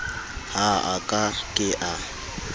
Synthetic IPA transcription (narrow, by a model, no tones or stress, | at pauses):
haakʼakʼɪʔa